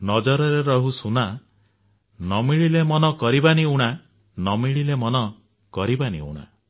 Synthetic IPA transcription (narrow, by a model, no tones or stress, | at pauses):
nɔd͡ʒɔɾɔɾeɾɔɦusuna | nɔmiɭilemɔnɔkɔɾibaniuɽ̃a | nɔmiɭilemɔnɔ | kɔɾibanḭṵɽ̃a̰